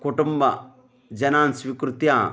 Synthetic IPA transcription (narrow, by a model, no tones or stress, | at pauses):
koʈumbɐ | d͡ʒɐnaːnsʋikɾut̪jaː